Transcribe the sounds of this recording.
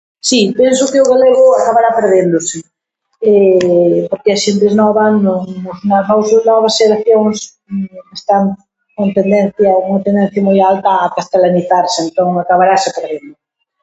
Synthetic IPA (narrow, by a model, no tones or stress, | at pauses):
sipensʊkeʊɣaleɣʊakaβaɾapeɾðend̪ʊsɪ | ɛpoɾkeaʃent̪eznɔβanonoznanɔwsnɔβ̞ɐsʃeɾaθjoŋs | est̪aŋ | kont̪end̪ɛ̃nθjɐuŋɐt̪ẽnd̪ɛ̃n̟θjɐmojalt̪ɐːkast̪elaniθaɾseent̪oŋakaβaɾasepeɾðend̪ʊ